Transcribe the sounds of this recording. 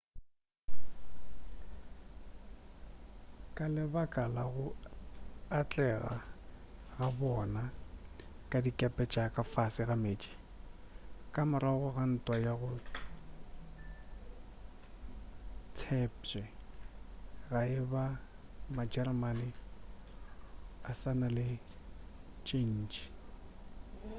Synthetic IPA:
kʼalɪbakʼalaɣʊ | at͡ɬʼɛɣa̰ | ɣabɔna | kʼadikʼapʼɛt͡ʃʼakʼafasɪɣameːt͡ʃʼi̥ | kʼamɪɾaɣʊɣan̩tʼwajaɣʊ | tʰɛp̚t͡ʃʼɛ | ɣaɪbamad͡ʒɛrmanɪ | asanalɪ | t͡ʃʼen̩ːt͡ʃi̥

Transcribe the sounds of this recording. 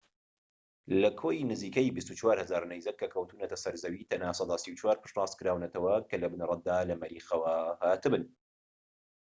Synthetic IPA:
lɐkʰoːjnɨziːkɐjbist̪ut͡ʃwaːɾhɐzaːɾnɛjzɐkːɐkʰɐwt̪uːnɐt̪ɐsɐɾzɐwiːt̪ʰɐnaːsɑd̪asiwt͡ʃwaːɾpɨ̥ʃtrɑːskɨɾaːwnɐt̪ʰɐwɐkʰɐlɐbɨnrˤɑt̪̚d̪aːlɐmɐɾiːxɐwɐhaːt̪ɨbɨn

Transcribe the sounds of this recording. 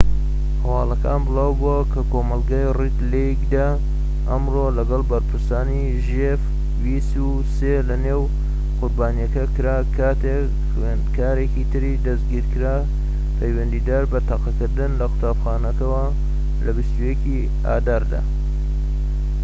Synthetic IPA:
hɐwɑːlɐkaːnbɨlaːwbuɐkʰɐkomɐlˠɡajrit̪leɡd̪a | ʔɐmrolɐɡɐlˠbɐɾpʰɨɾsaːni | ʒef | wist̪u | selɐnew | qʊɾbaːnijɐkɐkɨɾaːkʰaːt̪e | xwenkʰaːɾekit̪ʰɨɾid̪ɐzɡiɾkɨɾaː | pʰɐjwɐnd̪iːd̪aːɾbɐt̪ʰɑqɐkɨɾd̪ɨnlɐxʊ̥t̪aːbxaːnɐkɐwɐ | lɐbist̪ujeki | a̰ːd̪aːɾd̪a̰

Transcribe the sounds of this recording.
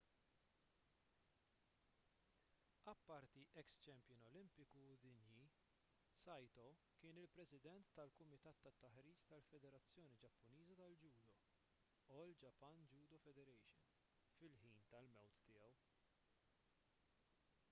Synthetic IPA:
ɐpːɐɾt̪iʔɛkst͡ʃɛmpjɪnɔlɪmpɪkud̪ɪnji | sɐjt̪ɔkɪːnɪlpɾɛsɪd̪ɛnt̪ːɐlkʊmɪt̪ɐːt̪ːɐt̪ːɐħɾiːt͡ʃt̪ɐlfɛd̪ɛɾɐt͡sːjɔːnid͡ʒɐpːʊniːzɐt̪ɐld͡ʒuːd̪ɔ | ɔːld͡ʒɐpːɐnd͡ʒuːd̪ɔfɛd̪ɛɾɛjʃɪ̰n | fɪlħiːnt̪ɐlmɛwt̪ːɪjɛw

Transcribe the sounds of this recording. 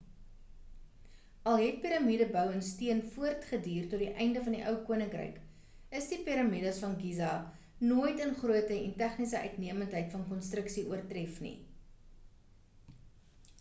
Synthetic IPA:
ɐlˠɦɛt̚piɾɐmidəbœwənstiənfuərtχədiːrtɔtdiʔɛjndəfɐndiʔœwkuənəŋkrɛ̰jk | əsdipiɾɐmidəsfɐnɡizɑ | nuəjtənχruətəɛntæχnisəʔœ̰ɥtniəməntɦəjtfɐnkɔnstrəksiʔuərtrɛfnḭ

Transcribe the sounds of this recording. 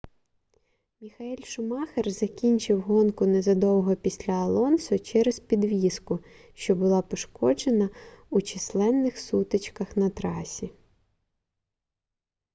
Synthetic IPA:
mʲixɐilʲʃʊmɑxerzɐkʲinʲt͡ʃɪwɦɔnkʊnezɐd̪ɔwɦɔpʲisʲlʲɐːlˠɔnsʊt͡ʃɛɾezpʲid̪ʋʲiskʊ | ʃt͡ʃɔbʊlˠɑpɔʃkɔd͡ʒenɐut͡ʃislˠɛnːɪxsut̪et͡ʃkɐxnɐt̪ɾɑsʲi

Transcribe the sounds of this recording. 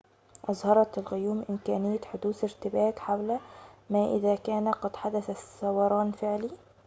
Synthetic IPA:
ʔɑzˤhɑɾˤɑt̪ɪlɣʊjuːmʔɪmkæːnɪjːæt̪ħʊd̪uːθɪɾt̪ɪbæːt̪ħawlæmæːʔɪ̰ðæːkæːnæqɑd̪ħad̪æθæsːɑwɑɾˤɑːnfɪʕliː

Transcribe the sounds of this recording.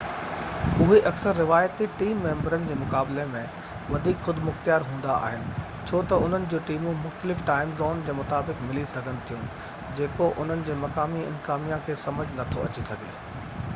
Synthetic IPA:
ʊɦeʔɐksəɾːɪʋaːjət̪iʈiːmːẽːmbəɾənɪ̆d͡ʑeːmʊkaːblemẽ | ʋɐd̪ʱiːkxʊd̪mʊxt̪ijaːɾɦũːn̆d̪aa̰ːɦɪnɪ̆ | t͡ɕʰoːt̪ɐʊn̤ənɪ̆d͡ʑoːʈiːmũmʊxt̪əlɪfʈaːɪmzɔːnd͡ʑeːmʊt̪aːbɪkmɪlisɐɡʱənɪ̆t̪ʰijũ | d͡ʑeːkoʔʊn̤ənɪ̆d͡ʑeːmɐkaːmiɪ̰̃nt̪ɪzaːmijãkʰeːsɐməd͡ʑʱnɐt̪ʰo̰ɐ̰t͡ɕisɐɡʱḛː

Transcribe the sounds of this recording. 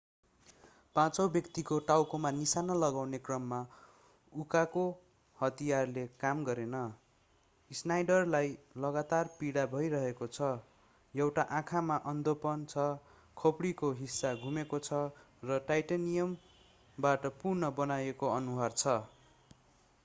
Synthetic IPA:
pãt͡sʌwbjʌkt̪ikoʈawkomanisanʌlʌɡawnekrʌmːa | ukako | hʌt̪ijarlekamɡʌɾenʌ | isnajɖʌrlajlʌɡat̪arpiɽabʱʌjɾʌɦekot͡sʰʌ | jʌwʈaʔãkʰamaʔʌnd̪opʌnt͡sʰʌ | kʰopɽikoɦisːaɡʱumekot͡sʰʌ | rʌʈajʈanijʌm | baʈʌpurnʌbʌnajekoʌnuɦart͡sʰʌ

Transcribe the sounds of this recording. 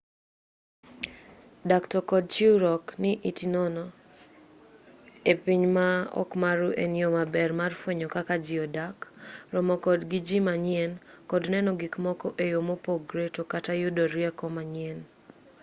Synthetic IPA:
daktɔkɔd̚t͡ʃiɾɔknɪʔitinɔnɔ | epiɲmaɔ̰kmaɾuʔeniomabɛrmarfweɲɔkakad͡ʒɪɔdakrɔmɔkɔdɡid͡ʒimaɲɪɛnkɔdnɛnɔɡikmɔkɔʔejomopoɡɾetokatajʊdoɾjɛkɔmaɲɪɛn

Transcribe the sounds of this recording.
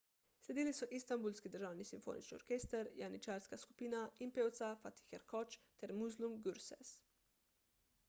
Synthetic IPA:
slɛd̪iːlisɔʔist̪ambulskid̪əɾʒaːwnisimfo̰ːnḭt͡ʃniɔɾkeːst̪əɾjanit͡ʃaːɾskasku̥piːnaimpeːwt̪safat̪i̥xɛɾkɔt͡ʃt̪ɛɾmuzlumɡuɾsɛ̰s

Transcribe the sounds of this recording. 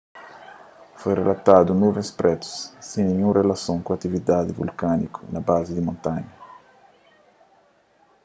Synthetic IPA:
fojrelat̪ad̪unuvẽŋspɾʔɛt̪u̥sːĩŋniɲũrelasõŋkuat̪ivid̪ad̪ivṵlkanikʰu̥nabazid̪imõnt̪aɲɐ

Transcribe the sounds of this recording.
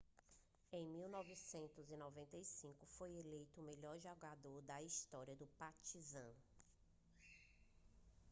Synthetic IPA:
ẽj̃miwnɔvisẽnt̪ʊzinɔvẽnt̪ɐjsĩkʊfojelejt̪ʊːmeʎɔɾʒɔɡad̪oɾd̪ɐist̪ɔɾiɐd̪ʊpat͡ʃizɐ̃

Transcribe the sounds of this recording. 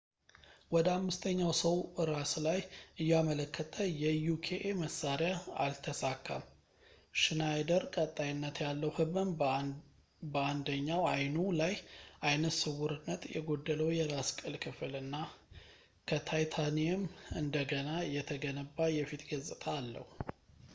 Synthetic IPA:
wɔd̪əamːɨst̪ʰəɲːawsəwʔɨɾaslajʔɨjːamələkːət̪ʰəjɛjukʰeʔeməsːaɾjaalt̪ʰəsakʰːa̰m | ʃɨnajd̪əɾkʼət̪ʼːajɪnːət̪jalːəwhɨβɨm | bəand̪əɲːawajnulajʔajnət̪sɨwːʊɾɨnːət̪jɛ̰ɡo̞d̪ːələwjɛɾaskʼɨlkʰɨfɨlɨnːa | kʰət̪ʰajt̪ʰaniɛmɨnd̪əɡənajɛt̪ʰəɡənəbːajɛfit̪ɡəzʼɨt̪ʼaːlːə̰hu

